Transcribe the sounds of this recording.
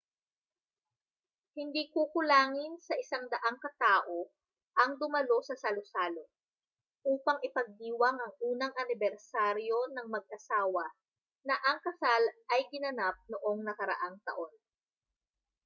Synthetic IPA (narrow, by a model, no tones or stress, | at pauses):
hɪnd̪iːkukʊlaːŋɪnsɐʔɪsaŋd̪ɐʔaŋkɐt̪aːʔo̞ | ʔɐŋd̪ʊmɐlo̞sɐsɐlosaːlo̞ | ʔuːpɐŋʔɪpɐɡ̚d̪iːwɐŋʔɐŋʔuːnɐŋʔɐnɪbɛɾsaːɾjo̞nɐŋmɐɡ̚ʔɐsaːwɐ | nɐʔɐŋkɐsalʔɐjɡɪnɐnap̚noʔo̞ŋnɐkɐɾɐ̰ʔaŋt̪ɐ̰ʔo̞n